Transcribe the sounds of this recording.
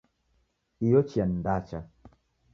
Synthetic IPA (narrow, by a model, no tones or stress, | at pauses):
ijot͡ʃiandat͡ʃa